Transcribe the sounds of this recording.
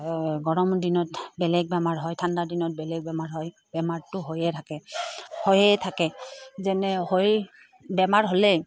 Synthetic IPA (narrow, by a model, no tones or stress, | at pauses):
ɡɔɹɔmdinɔtbɛlɛɡ̚bɛmaɹɦɔjtʰandadinɔt̚bɛlɛɡ̚bɛmaɹɦɔj | bɛmaɹtʊɦojɛtʰakɛhojɛtʰakɛzɛnɛhoj | bɛmaɹɦolɛ